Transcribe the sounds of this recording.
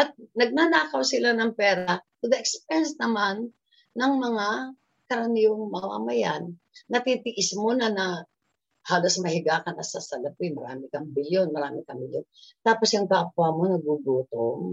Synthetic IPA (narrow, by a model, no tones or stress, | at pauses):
ʔɐt̪̚nɐɡ̚nanaːkɐwsɪlanɐŋpɛːɾɐt̪ʊd̪ɐʔɛkspɛnsnɐmanː | ɐŋmɐŋa | kɐɾɐnihoŋmɐma̰ːmɐjanː | ɐt̪it̪ɪʔɪsmo̞nɐnɐ | haːlosmɐhɪɡaːkɐnʔɐsɐsɐlɐpimɐɾa̰ːmɪkɐŋbɪljonmɐɾaːmɪkɐŋbɪljont̪aːposjʊŋkapʊamonɐɡuɡuːt̪oŋ